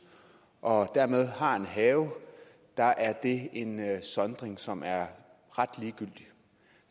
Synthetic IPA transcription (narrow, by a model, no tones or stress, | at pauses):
ʔɒ̽d̥æɐ̰með̞ˠhɑ̈e̝nɦɛːʊ | d̥ɑ̈ʔæɐd̥e̝e̝nsɒ̽nd̥ʁeŋsɒ̽mʔæɐ | ʁɑ̈d̥liːɡ̥yl̰d̥i